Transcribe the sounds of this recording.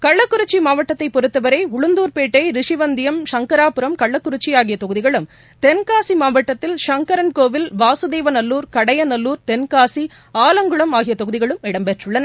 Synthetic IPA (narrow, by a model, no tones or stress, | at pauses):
kɐɭːɐkːʊɾɯt͡ʃːimaːʋɐʈːɐt̪ːɐɪpːɔɾɯt̪ːɐʋɐɾeɪʊɭɯnd̪uːɾpeːʈːɐɪɾɪʂɪʋɐnd̪ɪjɐmʂɐŋkɐɾaːpɯɾɐmkɐɭːɐkːʊɾɪt͡ʃːijaːɣɪjɐt̪ɔɣɯðɪɣɐɭɯm | t̪ɛnkaːsimaːʋɐʈːɐt̪ːɪlʂɐŋkɐɾɐnkoːʋɪlʋaːsɯd̪eːʋɐnɐlːuːɾkɐɽɐjɐnɐlːuːɾt̪ɛnkaːsi | aːlɐŋɡɯɭɐmaːɣɪjɐt̪ɔɣɯðɪɣɐɭɯmɪɽɐmpɛʈrɯɭːɐnɐ